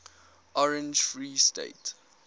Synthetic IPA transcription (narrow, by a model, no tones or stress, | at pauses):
ʔɔɹɛ̃nd͡ʒfɹiːstḛɪt